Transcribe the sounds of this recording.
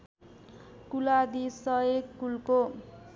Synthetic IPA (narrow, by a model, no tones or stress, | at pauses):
kulad̪isʌeɡkːulko